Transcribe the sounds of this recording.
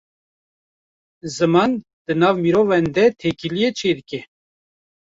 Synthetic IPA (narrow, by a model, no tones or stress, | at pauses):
zɨmɑn | d̪̥ɨnɑːvmiɾovɛnd̪ɛt̪ʰekilijet͡ʃʰeːd̪ɨkɛ